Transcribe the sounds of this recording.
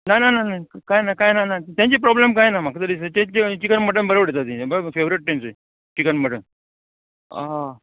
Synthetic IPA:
najnanajnajkajnakajnanat̪jãɲt͡ɕepɾɔblemkajnamakʰt̪əɾisət̪ẽt͡ɕet͡ɕikənməʈəmbəɾəbəɽʱet̪at̪ĩbəfeʋɾiʈ̚ʈemsə | t͡ɕikənməʈən | a

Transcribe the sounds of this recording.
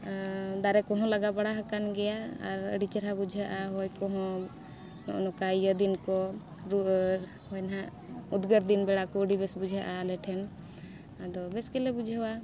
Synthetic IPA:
d̪aɾɛkɔɦɔ̃laɡabaɽaɦəkanɡɛjaa̰ɾə̰ɖit͡ʃəɾɦabud͡ʒʱəʔaɦɔjkɔɦɔ̃ | nɔ̰ʔnɔkajəd̪inkɔ | ɾu | hɔjnɦãʔ | ud̪ɡəɾd̪inbɛɽakɔəɖibɛsbud͡ʒʱəʔalɛʈʰɛn | ad̪ɔbɛskɛlɛbud͡ʒʱəwa

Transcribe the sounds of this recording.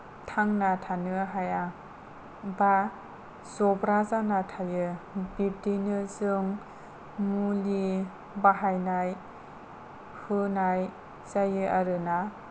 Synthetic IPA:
tʰaŋnatʰanɯɦaja | ba | zɔbɾazanatʰajɯbitinɯzɯŋ | muli | baɦajnaj | hɯnaj | zajɯaɾɯna

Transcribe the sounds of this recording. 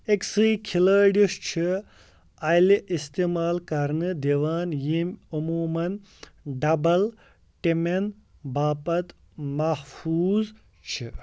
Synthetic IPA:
eksɨjkʰiləːɖiʂt͡ʃʰi | ɐjliʔist̪imaːlkɐɾnɨd̪eʋaːnjimʲumuːmɐn | ɖɐbɐl | ʈimen | baːpɐt̪ | mɐhfuːz | t͡ʃʰi

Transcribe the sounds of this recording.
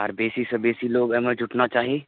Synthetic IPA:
ə̰ɾbeːsisəbeːsiloːɡɛməd͡ʒʱʊʈnat͡ʃaːɦieː

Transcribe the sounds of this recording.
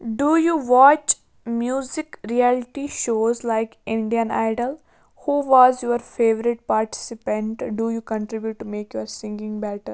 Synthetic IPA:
ɖujuːʋɔːt͡ʃ | mjuːzɪkɾiɛlɪʈiʃoːzlaɪkɪ̃ɳɖijə̃na̰ɪɖəl | huːʋɔːzjuəɾfeːʋəɾɪʈ̚paːɾʈɪ̥sɪpə̃ɳʈɖujuːkə̃ɳʈɾɪbjuʈːumeːkjuəɾsɪ̃ŋɡɪ̃ŋbɛʈəɾ

